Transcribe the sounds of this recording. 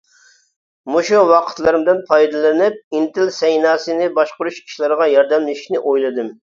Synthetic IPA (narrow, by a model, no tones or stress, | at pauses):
muʃuwɑqʰə̥t̪lˠɨɾɨmd̪ɨnpʰɑjd̪ɨlˠɨnɪp̚int̪ɪlsɛjnɑːsɨnɪbɑʃqʊɾuʃkʲʰi̥ʃlˠɨɾəʁɑjɑɾd̪ɛmlɪʃi̥ʃnɪʔojlˠɨd̪ɨm